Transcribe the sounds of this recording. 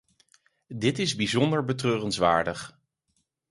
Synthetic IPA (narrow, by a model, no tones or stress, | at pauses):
dɪtɪzbizɔndəɹbətrøːrənzʋa̰ːɹdəχ